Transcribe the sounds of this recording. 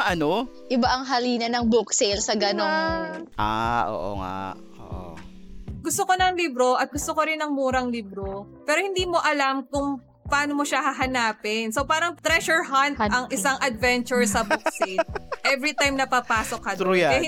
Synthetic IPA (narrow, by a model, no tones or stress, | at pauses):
ʔɐno | ʔɪbaʔɐŋɦɐliːnɐnɐŋbuksejlsɐɡɐnonʔaʔo̰ːʔo̰ŋa̰ | o̰ːʔo̰ | ɡʊst̪okonɐŋlibɾo̞ʔɐt̪̚ɡʊst̪okoɾɪnɐŋmuːɾɐŋlibɾopɛːɾo̞hɪnd̪iːmo̞ʔɐlamkʊŋ | pɐaːnomo̞ʃahɐɦɐnaːpɪnsowpaːɾɐŋt̪ɾɛʃɛɹɦɐnt̪ɐŋʔɪsaŋʔɐd̪̚vɛnt͡ʃʊɹsɐbukseʔɛvɾit̪ajmnɐpapaːsok̚hɐɾujaɛ